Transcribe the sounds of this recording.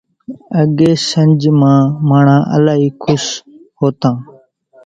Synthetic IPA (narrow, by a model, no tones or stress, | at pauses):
əɠeːsəɲʲd͡ʒmãːmaːɳ̤ãːʔə̰laːɦiːkʰʊshoːt̪ãː